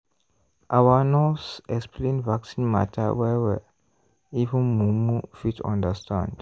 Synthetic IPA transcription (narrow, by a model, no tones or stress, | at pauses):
ʔawanɔsɛksplẽnvaksĩnma̰tʰəwɛwɛ̰ | ivə̃nmumufitʰã̰ndəstʰã̰nd